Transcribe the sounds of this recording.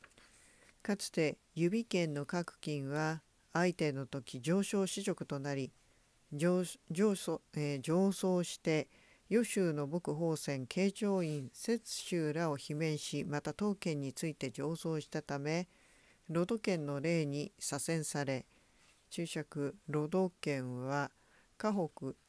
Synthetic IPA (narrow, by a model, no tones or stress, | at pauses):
kat͡sɨ̥t̪e̞ | jɯ̟bʲikẽ̞nːo̞kakɯ̟̥kʲĩɰ̃βaː | it̪e̞no̞t̪o̞kʲid͡ʑo̞ːɕo̞ːɕiʑo̞kɯ̟̥t̪o̞naɾʲi | d͡ʑo̞ːso̞ːɕi̥t̪e̞ | jo̞ɕɨːno̞bo̞kɯ̟ɦo̞ːsẽ̞ŋkʰe̞ːt͡ɕo̞ːĩɰ̃se̞t͡sɨ̥ɕɨːɾao̞çimẽ̞ɰ̃ɕimat̪at̪o̞ːkẽ̞ɲ̟ːit͡sɨit̪e̞d͡ʑo̞ːso̞ːɕi̥t̪at̪ame̞ | ɾo̞d̪o̞kẽ̞nːo̞ɾe̞ːɲ̟isasẽ̞ɰ̃saɾe̞ | t͡ɕɨːɕakɯ̟ɾo̞d̪o̞kẽ̞ɰ̃βa | kaɦo̞kɯ̟